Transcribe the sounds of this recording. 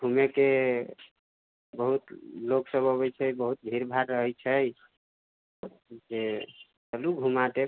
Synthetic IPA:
ɡʱumeke | bəɦut̪loksəboβɛt͡ʃʰɛjbəɦut̪̚d̪ʱiɾbʱaɾːəɦəjt͡ʃʰəj | d͡ʒe | t̪əluɡʱumat̪e

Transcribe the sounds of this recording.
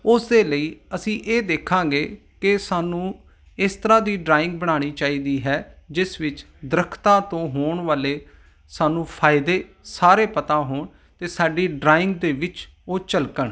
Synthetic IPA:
ʊsd̪eːləiːəsĩːʔeːd̪eːkʰːãːɡeː | kɪsaːnũː | ɪst̪əɾãːd̪iːɖɾaːɪ̃ŋɡ̚bəɽ̃aːɽ̃iːt͡ʃaːiːd̪iːɦɛːd͡ʒɪsʋɪt͡ʃ | d̪əɾəkʰt̪ãːt̪õːɦoːɳʋaːleː | saːnũːpʰaːɪd̪eːsaːɾeːpət̪ãːɦoːɳ | t̪eːsaːɖiːɖɾaːɪ̃ŋɡd̪eːʋɪt͡ʃ | oːt͡ʃəlkəɳ

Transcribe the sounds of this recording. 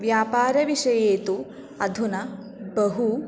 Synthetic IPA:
ʋjaːpaːɾɐʋiʂɐjeːt̪u | ɐd̪ʱunɐ | bɐɦu

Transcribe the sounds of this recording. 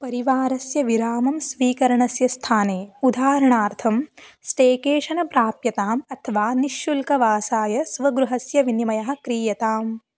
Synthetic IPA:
pɐɾiʋaːɾɐsjɐʋiɾaːmɐmsʋiːkɐɾɐɳɐsjɐst̪ʰaːneːud̪ʱaːɾɐɳaːɾt̪ʰɐmsʈeːkeːʂɐnɐpɾaːpjɐt̪aːmɐt̪ʰɐʋaːniʃjulkɐʋaːsaːjɐsʋɐɡɾuɦɐsjɐʋinimɐjɐɦɐ̆kɾiːjɐt̪aːm

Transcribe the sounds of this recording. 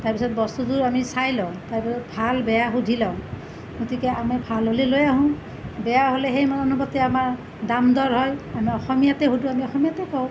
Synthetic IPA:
taɹpisɔt̚bɔst̪uduɹamisajlaʊ̃taɹpisɔtbʱalbɛjaɦudʱilaʊ̃ | ɡotikɛamɛbʱalɦolilojaɦʊ̃ | bɛjaɦolɛɦejmanɔnubɔtɛamaɹ | damdɔɹɦɔjamiɔxɔmijatɛɦudũamiɔxɔmijatɛkɔʊ̃

